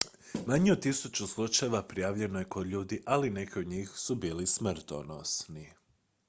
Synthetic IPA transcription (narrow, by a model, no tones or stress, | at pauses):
maɲiut̪isut͡ɕuslˠut͡ʃajeʋapɾijaːʋʎe̞noje̞kod̪ʎuːd̪iʔaline̞kiod̪ɲiːxsubiːlism̩t̪ono̰sni